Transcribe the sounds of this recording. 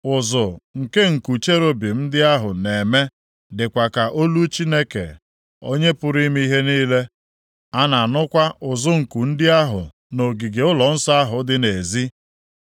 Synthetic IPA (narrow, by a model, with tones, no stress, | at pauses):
ʊ˨zʊ˨ŋ̩˨ke˦ŋ̩˨ku˨t͡ʃe˦ɾo˦bi˨n̩˦dɪ˦a˦ɦʊ˨ne˨me˦ | dɪ˨kʷa˨ka˨ʔo˦lu˦t͡ʃi˦ne˦kḛ˨ | o˦ɲe˦pʊ˦ɾi˦mi˦i˦ɦe˦niː˦le˦ | a˦na˨nʊ˦kʷa˦ʔʊ˨zʊ˦ŋ̩˨ku˨n̩˦dɪ˦a˦ɦʊ̰˨ | no˨ɡi˨ɡe˨ʊ˦lɔ˨n̩˦sɔ˦a˦ɦʊ˨dɪ˦ne˨zi˦